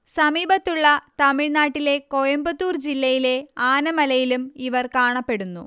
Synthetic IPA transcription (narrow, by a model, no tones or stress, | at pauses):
sɐmiːbɐt̪ːuɭːɐt̪ɐmiɻnaːʈːile̞ko̞jɐmbɐt̪ːuːrd͡ʑilːɐjile̞aːnɐmɐlɐjilumiʋɐrkaːɳɐpːe̞ɽunːṵ